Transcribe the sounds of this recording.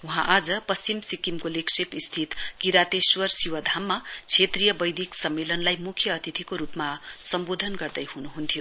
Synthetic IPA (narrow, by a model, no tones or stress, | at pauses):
uɦãʔad͡zʌpʌst͡ɕimsikimkoleksepist̪ʰit̪kiɾat̪eswʌrsiwʌd̪ʱamːat͡sʰet̪rijʌbʌjd̪ʱiksʌmːelʌnlajmukʰjʌːt̪it̪ʰikoɾupmasʌmbod̪ʱʌnɡʌrd̪ʌjɦunuɦunt̪ʰijo